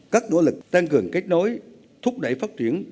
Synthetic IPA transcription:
kaː˦˥k̚no̰˧˥lɨ˨˩k̚t̪aː˧ŋkɨ˨˩əŋka˦˥jk̟̚no˨˦j | t̪ʰʊ˦˥p̚ɗə̰˧˩jfaː˦˥t̚t͡ɕi˧˩ən

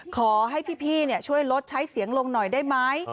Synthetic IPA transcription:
kʰɔː˨˩˦ɦa˥˩jpʰiː˥˩pʰiː˥˩ni˥˩ət͡ɕʰu˥˩əjlo˦˥t̪̚t͡ɕʰa˦˥jsi˨˩˦əŋlo˧ŋnɔ˨˩jdaː˥˩jma˦˥j

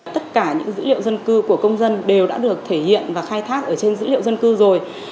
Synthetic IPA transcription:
t̪ə˦˥t̚kaː˧˩ɲɨ̰˧˥ŋzɨ̰˧˥lḭ˧˨ə˨wzə˧nkɨ˧ku˧˩əkə˧wŋ͡mzə˧nɗe˨˩wɗa̰ː˧˥ɗɨ˨˩ək̚t̪ʰe˧˩hḭ˧˨ənvaː˨˩xaː˧jt̪ʰaː˦˥k̚ʔəː˧˩t͡ɕe˧nzɨ̰˧˥lḭ˧˨ə˨wzə˧nkɨ˧zo˨˩j

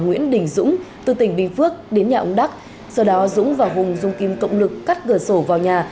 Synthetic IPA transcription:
ŋwḭ˧˥ənɗï˧˩ŋ̟zʊ̰˧˥ŋ͡mt̪ɨ˨˩t̪ï˧˩ŋ̟ɓï˧ŋ̟fɨ˦˥ək̚ɗe˨˦nɲaː˨˩ʔə˨˧ŋ͡mɗa˦˥k̚ | səː˨˧˩ɗɔ˨˦zʊ̰˧˥ŋ͡mvaː˨˩wɦʊ˨˩ŋ͡mzʊ˧ŋ͡mki˨˧˦mkə̰˧˨wŋ͡mlɨ˨˩kːaː˦˥k̚ɣəː˨˩so˧˩vaː˨˩wɲaː˨˩

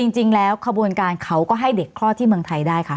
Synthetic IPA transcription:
t͡ɕi˧ŋt͡ɕi˧ŋlɛː˦˥wkʰa˧bu˧ənkaː˧nkʰa˦˥wkɔː˥˩ɦa˥˩jde˨˩kʰlɔː˥˩t̪ʰiː˥˩mɯ˧əŋt̪ʰa˧jdaː˥˩jkʰa˥˩

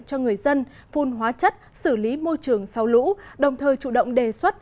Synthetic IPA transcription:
t͡ɕɔ˧ŋɨ˨˩əjzə˧n | fu˨˧˩nɦwaː˨˦t͡ɕə˦˥t̚sɨ˧˩li˨˦mo˧jt͡ɕɨ˨˩əŋsa˨˦wlṵ˧˥ɗə˨˩wŋ͡mt̪ʰəː˨˩jt͡ɕṵ˧˩ɗə̰˧˨wŋ͡mɗe˨˩swə˦˥t̚

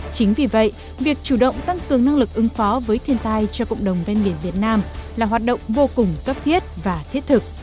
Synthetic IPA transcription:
t͡ɕï˨˦ŋ̟vi˨˩və̰˧˨j | vi˨˩ək̚t͡ɕu˧˩ɗə̰˧˨wŋ͡mt̪a˧ŋkɨ˨˩əŋna˧ŋlɨ˨˩k̚ʔɨ˨˦ŋfɔ˨˦vəː˨˦jt̪ʰi˧ənt̪aː˧jt͡ɕɔ˧kə̰˧˨wŋ͡mɗə˨˩wŋ͡mve˧nɓi˧˩ənvi˨˩ət̚naː˧mlaː˨˩ɦwaː˨˩t̚ɗə̰˧˨wŋ͡mvo˧kʊ˨˩ŋ͡mkə˦˥p̚t̪ʰi˦˥ət̚vaː˨˩t̪ʰi˦˥ət̚t̪ʰɨ˨˩k̚

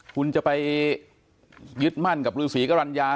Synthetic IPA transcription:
kʰu˧nt͡ɕa˨˩pa˧j | jɯ˦˥t̪̚ma˥˩nka˨˩p̚ɾɯː˧siː˩˦ka˥˩ɾa˧njaː˧

